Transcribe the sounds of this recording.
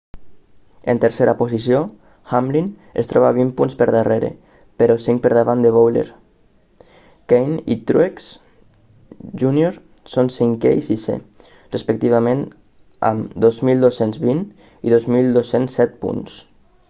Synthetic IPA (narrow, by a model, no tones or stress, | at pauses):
ent̪əɾseɾaposisio | xamlin | ḛst̪ɾɔβaβimpunspəɾðareɾḛ | peɾɔsiŋk̚pəɾðaβand̪eβ̞owlḛɾ | kejnḭt̪ɾueks | ʒunioɾ | sonsiŋkɛ̰isisḛ | respək̚t̪iβamẽn | a̰md̪ozmilˠd̪osenzβin | iðozmilˠd̪osensːɛt̪̚pṵns